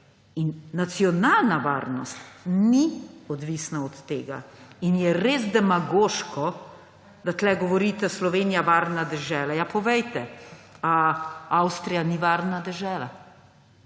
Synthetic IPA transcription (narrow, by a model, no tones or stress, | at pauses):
inːat̪siɔnalnaʋa̰ɾnɔ̰st̪niɔd̪ʋisnaɔt̪ːḛːɡa̰injɛɾeːzd̪ɛmaɡoːʃkɔ | d̪at̪lɛɡɔʋɔɾit̪ɛslɔʋenijaʋaɾnad̪ɛʒɛːlajapɔʋɛjt̪ɛaawst̪ɾijaniʋaɾnad̪ɛʒɛːla̰